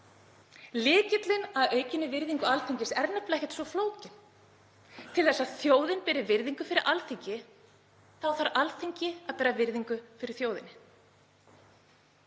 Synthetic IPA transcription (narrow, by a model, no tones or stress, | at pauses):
lɪːcɪt̪lɪnaðœːɥcɪnːɪvɪɾðiŋkʏalθiɲcɪsɛɾnɛplɛhcɛ̥t̪svɔfloːwcɪn | t̪ʰɪlθɛsːaðθjoːwðɪnpɪːɾɪvɪɾðiŋkʏfɪɾɪɾʔalθiɲcɪ | θawθaɾalθeɲcɪaðpɛːɾavɪɾðiŋkʏfɪɾɪɾ̥θjoːwðɪnɪ